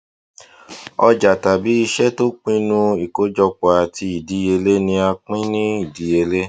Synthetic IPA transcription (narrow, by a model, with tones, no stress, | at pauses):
ɔ˧d͡ʒa˨ta˨bi˨˦i˧ʃɛ˦to˦k͡pĩ˦nũ˦i˨ko˨˦d͡ʒɔ˧k͡pɔ˨a˨ti˧i˨di˨˧˦e˧le˦nĩ˧a˧k͡pĩ˦nĩ˦i˦˨di˨˧e˧le˦